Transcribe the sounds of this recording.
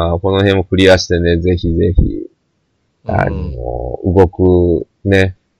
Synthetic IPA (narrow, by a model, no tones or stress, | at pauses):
ako̞no̞hẽ̞mːo̞kɯ̟ɾʲiaɕi̥t̪e̞ne̞ze̞çize̞çḭ | a̰no̰ɯ̰ɡo̞kɯ | ne̞